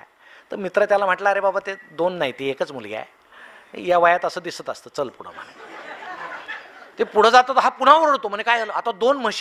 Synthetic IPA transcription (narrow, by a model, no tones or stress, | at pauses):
t̪əɾmit̪ɾət̪jalam̤aʈlaːɾebabat̪ed̪onːaɦit̪iekət͡smulja̰j̰ | jaʋajat̪əsəːd̪isət̪əst̪əːt͡səlpuɽ̤ə̰m̤ə̰ne | t̪epuɽ̤əd͡zat̪ət̪əɦapuɽ̤ãʋəɾəɽt̪om̤əɳd͡zekajaləat̪ad̪onməɕ